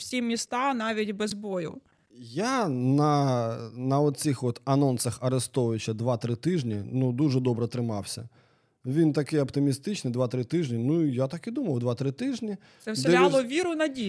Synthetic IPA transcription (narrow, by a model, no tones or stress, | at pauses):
fsʲimʲɪst̪anaʋʲidʲbɛzbojʊ̰ | janɐ | nɐɔt̪sixʋɔt̪ɐnɔnsɐxɐɾɪst̪ɔʋʲɪt͡ɕɐd̪ʋat̪ɾɪt̪ɪʒnʲinud̪uʐɛd̪ɔbɾɛt̪ɾɪmɑwsʲɐ̰ | ʋʲint̪ɐkɪɐpt̪ɪmʲist̪ɪt͡ʃnɪjd̪ʋat̪ɾɪt̪ɪʒnʲinuijat̪akid̪umɐwd̪ʋat̪ɾɪt̪ɪʒnʲi | ɛsd̪ɛlʲalˠɔʋʲiɾʊnɐdʲi